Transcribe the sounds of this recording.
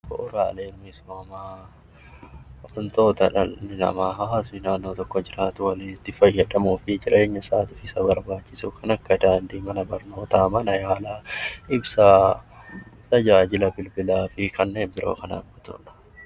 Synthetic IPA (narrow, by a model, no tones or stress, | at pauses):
bɔ̰ʔʊɾaːleːlmɪsmaːmaː | ʔɐnt̪o̞ːt̪ɐᶑɐnɪnɐ̰maːɦɐhasnɪnaːnːo̞ːt̪ɔkːɔd͡ʒɪɾaːt̪ʊwɐliːnɪt̪ːɪfɐjːɐᶑɐmuːfɪd͡ʒɪɾe̞ːɲːɐsaːt̪ɪfɪsɐbɐɾbaːt͡ʃːɪsukɐnɐkːɐd̪aːnd̪iːmɐnɐbɐɾno̞ːt̪aːmɐnɐjaːlaːʔɪbsa | t̪ɐd͡ʒaːd͡ʒɪlɐbɪlbɪlaːfɪkɐnːe̞ːnbɪɾo̞̰ːkɐna̰ːmbɔt̪ʊ̰ᶑɐ̥